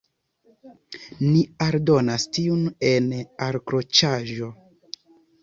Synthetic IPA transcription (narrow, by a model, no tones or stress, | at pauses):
niaɾdo̞nastiunenaɾkɾo̞t͡ʃaʒo̞